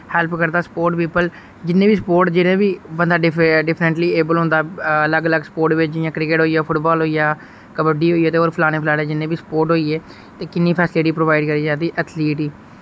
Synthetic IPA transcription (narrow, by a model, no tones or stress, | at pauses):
hɛːlpkəɾd̪aːsə̥poːɾʈpiːpəl | d͡ʒɪnːẽːbiːsəpoːɾʈd͡ʒɪnẽːbiːbənd̪aːɖɪɖɪpʰnə̃ɳʈliːeːbəlɦʊ̃nd̪aːələɡələɡsə̥poːɾʈʋɪt͡ʃd͡ʒɪjãːkɾɪkeːʈɦoːijaːpʰʊʈbaːlɦoːijaː | kəbəɖiːɦoːiːeːt̪eːoːɾpʰlaːneːpʰɪlaːneːd͡ʒɪnːẽːbiːsə̥poːɾʈɦoːiːeː | t̪eːkɪnːĩːpʰɛːsɪliːʈiːpɾoːʋaːɪɖkəɾiːd͡ʒãːd̪iːʔət̪ʰliːʈiː